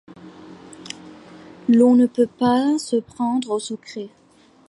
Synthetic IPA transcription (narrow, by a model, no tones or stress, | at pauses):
lɔ̃nəpøpasəpχɑ̃d̪ʁosəkχe